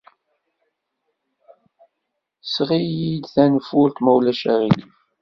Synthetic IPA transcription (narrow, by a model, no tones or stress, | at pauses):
sʁijid̪θænfʊɾt̪mæwlæʃæʁili